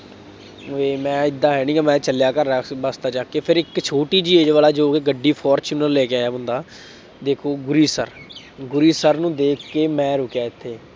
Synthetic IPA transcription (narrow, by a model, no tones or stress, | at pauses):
ʋeːmɛ̃ːɪd̪ːãːɦɛːnĩːɡaːmɛ̃ːt͡ʃəljaːkəɾːabast̪aːt͡ʃaːkːeːpʰɪɾɪkt͡ʃʰoːʈiːd͡ʒieːd͡ʒʋaːlaːd͡ʒoːkeɡəɖːiːpʰɔːɾt͡ʃuːnəllɛːkeaːjaːɦʊ̃nd̪aː | d̪eːkʰoːɡʊɾiːsə̰ɾ | ɡʊɾiːsəɾnũːd̪eːkʰkːeːmɛ̃ːɾʊkjaːɪt̪ʰːeː